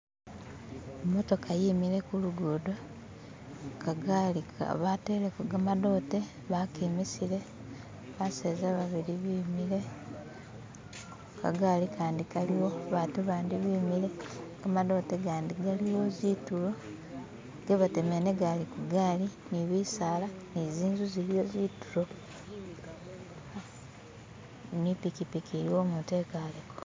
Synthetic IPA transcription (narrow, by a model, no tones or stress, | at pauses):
emːo̞to̞kajiːmiɾe̞kuluɡoːdo | kaɡalika̰βatelekuɡamado̞ːte̞ | βakiːmisiɾe̞ | βaseːzaβaβiɾiβiːmiɾe̞ | ka̰ɡalikaːndikaliwo̞βaːtuβaːndiβimiɾe̞ɡamaðo̞ːteɡaːndiɡaliwo̞zitulo̞ | ɡeβatemeneɡalikuɡaːliniβiːsaːlaniziːnzuziɾijo̞ziːtuɾo̞ | a | nipikipikiɾiwo̞ːmute̞kalek